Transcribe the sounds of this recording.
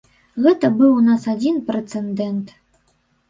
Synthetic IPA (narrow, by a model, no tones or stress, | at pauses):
ɣɛt̪ɐbɨwnasad͡zʲinpɾɛt̪sɛnd̪ɛnt̪